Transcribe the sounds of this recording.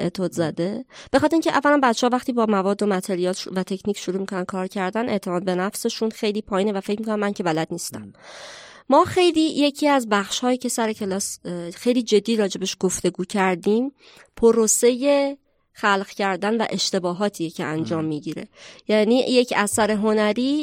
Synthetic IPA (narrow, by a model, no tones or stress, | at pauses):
ḛt̪ʰod̪zæd̪e̞b̥exɒt̪ʰeɾiŋcʰeʔævːæɾænbæt̪ʰːt͡ʃehɒvæχt̪iːbɒːmævɒːd̪ːo̞mæt̪ʰe̞ɾijɒːlʃvæt̪ʰe̞cʰniːcʰʃuɾuːmikʰonænkʰɒːɾcʰæɾd̪ænʔe̞ʔt̪ʰe̞mɒːd̪̚be̞næfse̞ʃunxe̞jliːpʰɒːjiːnevæfecmikʰonæmːæŋcʰe̞bælæd̪niːst̪æmː | ɒːxe̞jliːje̞cʰiːæzbæxʃhɒːjiːcʰe̞sæɾecʰe̞lɒːsxe̞jliːd͡ʒe̞d̪ːiːɾɒːd͡ʒe̞beʃɡ̥oft̪e̞ɡuːcʰæɾd̪iːm | pʰoɾose̞je̞ | xælɢcæɾd̪ænvæ̰ʔe̞ʃt̪e̞bɒːɦɒːt̪ʰiːjecʰe̞ʔænd͡ʒɒːmːiːɟiɾe̞jæniːjecʰæsæɾe̞ɦonæɾiː